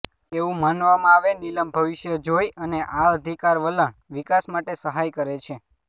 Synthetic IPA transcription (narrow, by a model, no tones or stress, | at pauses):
eʋũmanʋamãaʋeniləmbʱəʋiʃjəd͡ʒojəneʔaəd̪ʱikaɾʋələɳʋikasmaʈesəɦajkəɾet͡ʃʰe